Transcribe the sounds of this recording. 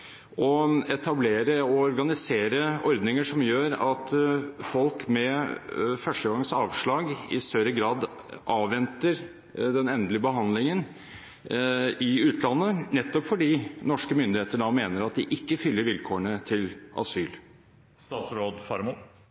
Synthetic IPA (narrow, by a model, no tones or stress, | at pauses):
ɔɛt̪ʰɑbleːɾəɔɔɾɡɑnɪseːɾəɔɾd̪nɪŋəʂɔmjøːɾɑt̪fɔlkmɛ | fœʂəɡɑŋsɑːʋʂɭɑːɡɪ̰st̪œɾəɡɾɑːd̪ | ʔɑːʋːɛnt̪əɾ | d̪ɛnɛnd̪lɪəbəɦɑnd̪lɪŋən | ɪʉːt̪ʰlɑnːənɛt̪ːɔpfɔɖiːnɔʂkəmʏnd̪ɪheːt̪əɖɑmeːnəɾɑt̪̚d̪ɪʔɪkːəfʏlːəɾʋɪlkʰoːəɳət̪ʰɪlʔɑ̰syːl | st̪ɑːt̪sɾoːd̪fɑɾmu